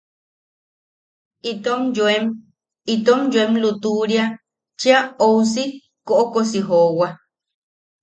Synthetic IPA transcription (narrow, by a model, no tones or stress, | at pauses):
it̪omem | it̪omd͡ʒoemlut̪uɾia | t͡ʃiaows̬i | koʔokosiɦowa